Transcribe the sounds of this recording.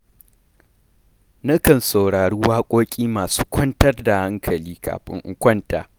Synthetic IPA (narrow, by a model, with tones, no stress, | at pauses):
nɐ˦kɐ˨nsɐ˨wɽaː˨ɽu˦waː˦kʷʼoː˦kʲʼiː˦maː˨su̥ː˦kʷʰɔ˦ntɐ˦rda˨ha˦ŋkʰɐ˨liː˦kʰa̰ː˨ɸɪ̰˦ŋʔʊ˦kʷɔ˦nta̰ː˨